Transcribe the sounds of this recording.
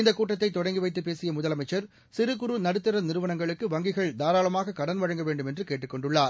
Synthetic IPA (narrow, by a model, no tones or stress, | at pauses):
ɪnd̪ɐkːuːʈːɐt̪ːɐɪt̪ːɔɽɐŋɡɪʋɐɪt̪ːɯpːeːsɪjɐmʊðɐlɐmɐɪt͡ʃːɐɾ | sɪɾɯkʊɾunɐɽɯt̪ːɪɾɐnɪɾɯʋɐnɐŋɡɐɭɯkːɯʋɐŋɡɪɣɐɭd̪aːɾaːɭɐmaːɣɐkɐɽɐnʋɐɻɐŋɡɐʋeːɳɖɯmɛndrɯkeːʈrɯkːɔɳɖɯɭːaːɾ